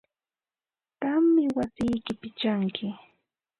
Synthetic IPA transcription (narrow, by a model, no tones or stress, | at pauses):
t̪amːɪwasɪjkɪpɪt͡ʃaŋkʰɪ